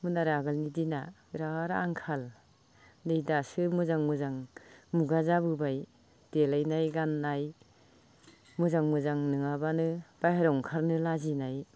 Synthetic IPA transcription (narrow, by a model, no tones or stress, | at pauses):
mɯnaɾaɡɯlnidina | ɾaɾaŋkʰal | dejdasɯmɯzaŋmɯzaŋmuɡazabɯbaj | d̥elajnajɡanːaj | mɯzaŋmɯzaŋnɯŋabanɯb̥ajhaɾɔŋkʰaɾnɯlazinaj